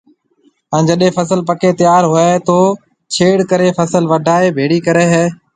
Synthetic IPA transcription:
ɛ̃ːd͡ʒəɗẽːfəs̬əlpəkeːt̪ɪjaːɾɦʊet̪oː | t͡ʃʰeːɽkəɾeːfəsəlʋəɖʱaːeːbʱeːɽiːkəɾeːɦɛː

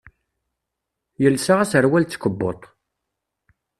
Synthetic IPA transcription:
jəlsaʁasəɾwælt͡sːkəbːo̰t̪ˤ

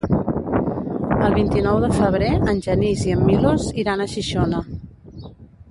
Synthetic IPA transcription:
əlˠβint̪inɔwðəfəβɾeənʲʒəniziəmːiloziɾanəʃiʃonə

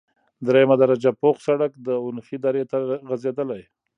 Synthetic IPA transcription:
d̪ɾejamad̪aɾad͡ʒapoxsaɽakd̪əʊnxid̪ɑɾet̪aɣazed̪əlaj

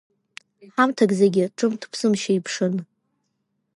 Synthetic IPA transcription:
ħamtʰaɡzeɡʲɪʈ͡ʂʼɨmtʰpʰsɨmʃaipʰʂɨn

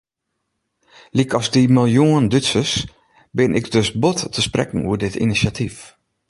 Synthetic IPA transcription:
likɔzdimɪlˠjuəndytsəs | bɪnʔɪkdøsbɔttəsprɛ̰kən̩ṵədɪtḭnisjatʰif

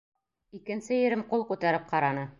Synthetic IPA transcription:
ikɘ̆nsɘjɘ̆ɾɘmqulˠqʉt̪æɾɘp̚qɑɾɑnɤ

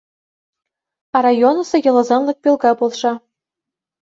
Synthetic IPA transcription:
ɑrɑjonɤ̆sɤ̆jɤ̆lˠɤ̆zɑnlˠɤ̆k̚pʲilˠɡɑbolˠʂɑ

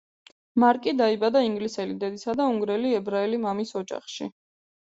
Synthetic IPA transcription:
maɾkʼid̪aibad̪aiŋɡlisɛlid̪ɛd̪isad̪auŋɡɾɛliɛbɾaɛlimamisɔd͡ʒa̰χʃḭ

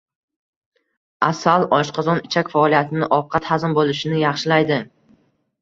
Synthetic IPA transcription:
asalˠɒʃqʰɒzɒnɪt͡ʃʰakʲfaɒlˠijat̪ʰɪnɪʔɒfqʰɑt̪hazɪmbolˠɪʃɪnɪjɑχʃɪlajd̪ɪ

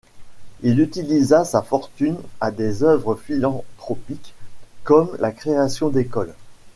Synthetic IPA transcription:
ilyt̪ilizasafɔʁt̪ynad̪ezœvʁəfilɑ̃t̪χɔpikːɔmlʔakχeasjɔ̃d̪ekɔl

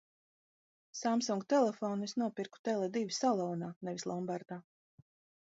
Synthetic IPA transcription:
samsuŋɡt̪ɛlˠɛfɔnisnuɔpiɾku̥t̪ɛlˠɛd̪ivʲisalˠɔːnaːnɛvʲislˠɔmbaɾd̪̥aː

